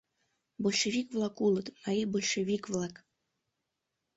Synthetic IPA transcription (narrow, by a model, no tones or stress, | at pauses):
bolʲʃevʲikvlˠakulˠət̪naibolʲʃevʲikvlˠak